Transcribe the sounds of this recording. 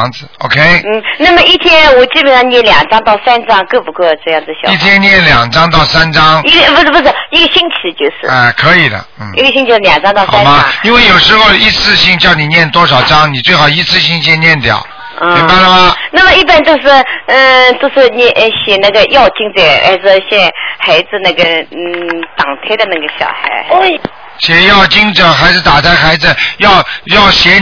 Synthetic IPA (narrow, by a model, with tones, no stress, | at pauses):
ŋd͡zɹ̩˧˦o̰˨˧˩kʰe˥ɪn̩˥˩na˥˩mə˩˨i˥˩˧t̪ʰjɛ˥nwɔ˨˩t͡ɕi˥˩pə˨nʂɑ˥˩ŋnjɛ˥˩nljɑ˨˩ŋʈ͡ʂɑ˥ŋt̪ɑ˥˩ʊsa˥nʈ͡ʂɑ˥ŋkɤ˥˧˩pu˧˥kwɔ˥˧ʈ͡ʂɤ˥˧jɑ˥˩˧ŋt͡sɹ̩˧˩ɕji˥˩t̪ʰjɛ˥nnjɛ˥˩nljɑ˨˩ŋʈ͡ʂɑ˥ŋt̪ɑ˥˩ʊsa˥nʈ͡ʂɑ˥ŋi˥ɡpu˥˩˥pu˥˩sɔ˥˩i˥ɡə˨˧ɕi˥ŋt͡ɕʰi˧˥t͡ɕjo˥˧ʊʂɻ̩̰˥˩a˧˩kʰɤ˧˥i˨˩d̪ə̰˦n̩˥˩i˥ɡə˩ɕi˥ŋt͡ɕʰi˧ljɑ˨˩ŋʈ͡ʂɑ˥ŋt̪ɑ˥˧ʊsa˦˥mɐ˧˥˧i˥nwe˥˩jo˨˩ʊʂɻ̩˧˥xo˧ʊi˧˥t͡sʰɹ̩˥˧ɕi˥ŋt͡ɕjɑ˥˩ʊni˨˩njɛ˥˩nt̪wɔ˥ʂɑ˨˩ʊʈ͡ʂɑ˥ŋni˨˩t͡swe˥˩ɪxɑ˨˩ʊi˧˥t͡sʰɹ̩˥˧ɕi˥ŋt͡ɕɛ˥˧njɛ˥˩nt̪jɑ̰˨˩˦ʊ˥ | m˧i˧˥ŋba˥˩ɪlə˩mɐ˨na˥˩mə˩˧i˥˩pə˥˩nt̪o˥˧ʂɻ̩˥˩˥ | t̪o˥˧ʊʂɻ̩˥˩nɛ˥˩˧ɕɛ˨˩na˥˩ɡə˨jɑ˥˧ʊt͡ɕi˥ŋt͡sɛ˥˩ə̰˧˥d͡zɹ̩˧ɕjɛ˥˩xa˧˥ɪd͡zɹ̩˧na˥˩ɡə˩˥˩ | t̪ɑ˨˩ŋt̪ʰa˥ɪd̪ə˧na˥˩ɡə˩ɕjɑ̰˨˩ʊxa̰˧˥ɪ˥ | ɕjɛ˧˥jɑ˥˩ʊt͡ɕi˥ŋʈ͡ʂɤ˨˩xa˧˥ɪd͡zɹ̩˧t̪a˨˩t͡sʰa˥ɪxa˧˥ɪd͡zɹ̩˧jɑ˥˧ʊjɑ˥˩ʊɕjɛ˧˥